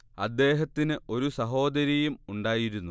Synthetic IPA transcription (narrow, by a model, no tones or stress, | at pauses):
ɐ̰d̪ːe̞ːɦɐt̪ːinɨo̞ɾusɐɦo̞ːd̪ɐɾjɐjumuɳɖaːjiɾunːu